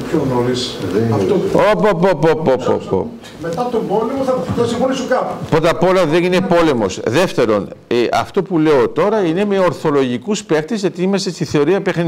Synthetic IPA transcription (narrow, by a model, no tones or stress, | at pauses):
pçonoɾiseɐft̪oopopopopopo̰po̰p | met̪ɐt̪ombolemoθɐp̪ɐsifonisuɡɐpupɾot̪ɐpo̞lɐðenine̞po̞le̞mo̞sðe̞ft̪e̞ɾo̞neʔɐ̰ft̪o̞pule̞ot̪o̞ɾɐine̞me̞oɾθo̞lo̞ʝikuspe̞xt̪ezʝɐt̪iimɐsest̪iθe̞o̞ɾiɐpexn